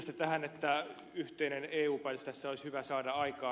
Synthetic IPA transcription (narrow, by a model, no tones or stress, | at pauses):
st̪et̪æhænet̪ːæ | yht̪eineneːuːpælst̪æsːæoishyʋæsɑːdɑɑikɑː